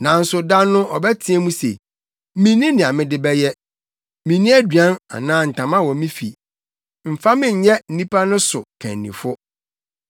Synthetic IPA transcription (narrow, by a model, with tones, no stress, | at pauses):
nã˨n̩˦sʊ˨da˦nʊ̃˦ʔɔ˨bɛ˦tʰɪ˦ɛ˦mũ˦sḛ˨˦ | mĩ˨nĩ˦nɪ̃˨a˨mɪ̃˦dɪ˨bɛ˦jɛ˦ | mĩ˨nĩ˦æ˦dɥã˦na̰˨nãː˦n̩˨tʰã˨mã˦wɔ˨mĩ˦fḭ˨ | m̩˨fa˦mɪ̃˦˨ɲ̩˨˦ɲɛ˦n̩˨nĩ˦pʰa˦nʊ̃˦sʊ̰˨kʰɛ̰̃˨nːḭ̃˨fʊ˦